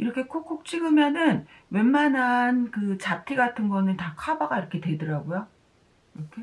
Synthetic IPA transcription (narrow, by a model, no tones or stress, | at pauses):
iɾʌkʰe̞kʰok͈ʰːok̚t͡ɕ͈ʰiɡɯmjʌnɯn | we̞nmanankɯt͡ɕap̚tʰiɡatʰɯnɡʌnɯntakʰabaɡaiɾʌkʰe̞dwe̞dɯɾaɡojo | iɾʌkʰe̞